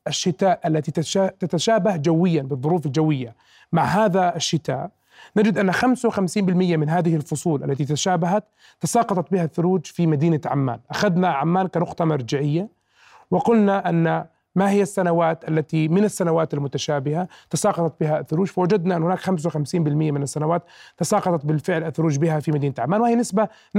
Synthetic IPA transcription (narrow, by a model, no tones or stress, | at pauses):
ʔaʃːɪt̪aːʔʔalːat̪it̪ʃat̪at̪aʃaːbahd͡ʒawːɪjːanbɨðˤːʊɾuːfald͡ʒawɪjːa | maʕɦaːðaaʃːɪt̪a̰ːʔ | nad͡ʒɪd̪ʔanːaxamsawɪxamsiːmbɪlmɪjːamɪnɦaːðɪhɪlfʊsˤuːlʔa̰lːat̪it̪aʃaːbaɦat̪ː | ɑsɑːqɑt̪ˤɑt̪̚bɪhaθːʊɾuːd͡ʒfimad̪iːnaʕa̰mːa̰ːnʔaxad̪naʕamːaːnkanʊqt̪ˤɑmaɾˤd͡ʒaʕɪjːa | wɪqʊlnaʔanːa | mahɪjːasːanawaːt̪ʔalːat̪imɪnasːanawaːt̪almʊt̪aʃaːbɪhat̪ɑsɑːqɑt̪ˤɑt̪̚bɪɦaθːʊɾuːd͡ʒfawad͡ʒad̪naʔɪnːhʊnaːkxams̬awxamsiːmbɪlmɪjːamɪnasːanawaːt̪t̪ːɑsɑːqɑt̪ˤɑt̪̚bɪlfɪʕlaθːʊɾuːd͡ʒbɪɦafimad̪iːnat̪ʕamːaːnwhijanɪsba